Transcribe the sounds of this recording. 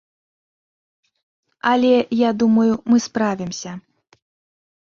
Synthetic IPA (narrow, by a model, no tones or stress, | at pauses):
ɐlʲɛjad̪umɐjumɨspɾavʲimsʲɐ